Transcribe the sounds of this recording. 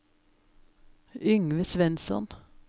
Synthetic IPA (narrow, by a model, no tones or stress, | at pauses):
ʏŋʋəsʋɛnsɔ̰n